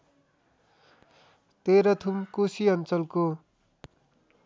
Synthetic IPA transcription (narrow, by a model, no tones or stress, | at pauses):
t̪eɾʌt̪ʰumkusiʌnt͡sʌlko